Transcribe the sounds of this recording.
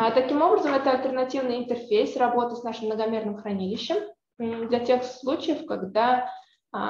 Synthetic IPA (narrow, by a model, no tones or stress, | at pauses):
t̪ɐkʲimo̞bɾəzəmɛt̪əɐlʲt̪ərnɐtʲivnɨjɪnt̪ərfʲejsʲrɐbo̞t̪ɨsnaʂɨmnəɡɐmʲe̞rnɨmxɾɐnʲilʲɪɕːɪm̩ | d̪lʲɐtʲe̞xslˠut͡ɕɪjəfkɐɡd̪a